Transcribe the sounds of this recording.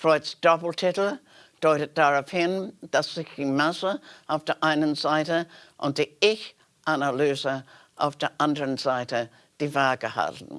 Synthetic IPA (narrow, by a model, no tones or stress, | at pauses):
fɹɔʏsd̥ɔpl̩tʰɪtl̩ | d̥ɔʏtət̚d̥aʁaʊfhɪnd̥asz̥ɪçd̥imasəʔaʊfd̥eːɐʔaɪnənzaɪtəʔʊnt̚d̥iɪç | ʔanalyːzə | ʔa̰ʊfd̥eːɐʔandəʁənzaɪtə | d̥iːvaːɡəha̰ltn̩